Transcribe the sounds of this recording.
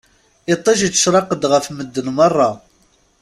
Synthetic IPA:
ɪt̪ˤːɑʃit͡sːə̥ʃɾˤɑqəd̪ʁəfməd̪ːənmɑrˤːɑ

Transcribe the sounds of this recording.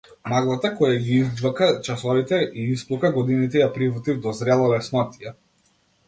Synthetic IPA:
maɡlˠat̪akɔjaɡiizd͡ʒvakat͡ʃasɔvit̪ɛʔiisplˠukaɡɔd̪init̪ɛjapɾivɔt̪ivd̪ɔzɾɛlˠalɛsnɔt̪ijɛ

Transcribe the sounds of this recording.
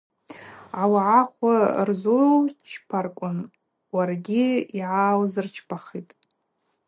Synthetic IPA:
ʕawaʕaχʷarzorawt͡ʃʰpʰarkʷʼʊn | warɡʲiiʕawzɨrt͡ʃʰpʰaχitʼ

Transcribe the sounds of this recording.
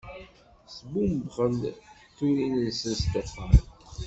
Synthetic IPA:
sbumbʁənd̪ | t̪ːuɾinənsənst̪æfən

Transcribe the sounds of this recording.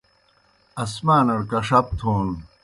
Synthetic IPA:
ɐsmaːnɐɽkɐʂɐp̚t̪ʰoːn

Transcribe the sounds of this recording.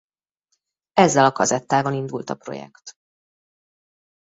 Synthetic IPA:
ɛzːɛlɒkɒzɛt̪ːaːvɒnind̪ult̪ɒpro̞̰jɛ̰kt̪

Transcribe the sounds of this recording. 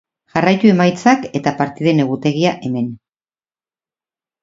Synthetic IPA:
ʝarajt̪ue̞majt͡sake̞t̪apaɾt̪iðe̞ne̞ɣut̪e̞ɣ̞iaʔe̞me̞n

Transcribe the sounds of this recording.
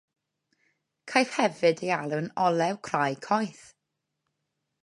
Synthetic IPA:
kʰajθhɛvɨdejalˠunɔlˠɛwkʰr̥ajkʰɔjθ

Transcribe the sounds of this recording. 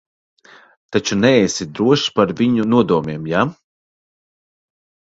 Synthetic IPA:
t̪at͡ʃunɛɛsid̪ɾuɔʃpaɾvʲiɲunuɔd̪uɔmʲeɛmja

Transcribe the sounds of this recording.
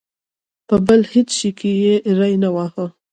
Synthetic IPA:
pəbəlhet͡sʃikʰejeɾajnawɑxə

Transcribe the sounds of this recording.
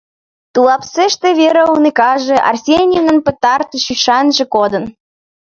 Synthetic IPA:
t̪ulɑpseʃt̪ĕβeɾəunekɑʒĕʔɑ̰rsʲenʲienə̆npə̆t̪ɑrt̪əʃyʃɑnʒĕkod̪ə̆n

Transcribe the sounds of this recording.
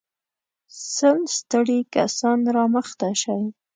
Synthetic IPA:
sənst̪əɽikasɑnɾɑməxt̪aʃaj

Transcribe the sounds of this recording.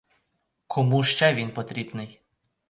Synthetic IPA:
kʰɔmuʃt͡ʃɛʋʲinpɔt̪ɾʲibnɪj

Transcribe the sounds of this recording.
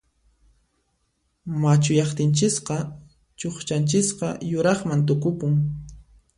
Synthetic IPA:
mat͡ʃʊjɑχt̪ɪnt͡ʃɪsqɑ | t͡ʃoχt͡ʃant͡ʃɪsqɑ̰jʊɾɑχmant̪ʊkʊpʊŋ

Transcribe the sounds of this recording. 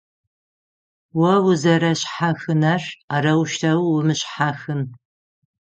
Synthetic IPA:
wɐwʊzɐɾɐɕħaxɨnɐrarɐwʃtʰɐwwʊmɨɕħaxɨn

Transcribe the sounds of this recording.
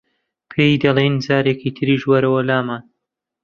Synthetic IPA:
pʰejd̪ɐlˠejnd͡zaːɾeːkiːt̪ʰɨɾiːʃwɐɾɐwɐlaːmaːn

